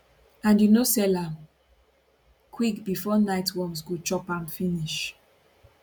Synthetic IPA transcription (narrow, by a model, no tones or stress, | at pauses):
ãnjunosɛlãm | kʰwikbifɔnaɪtwɔmsɡut͡ʃɔpãmfĩniʃ